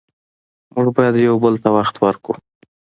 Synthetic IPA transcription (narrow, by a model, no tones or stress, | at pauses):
mʊʐbɑjad̪jawbəlt̪awaxt̪wəɾkṵ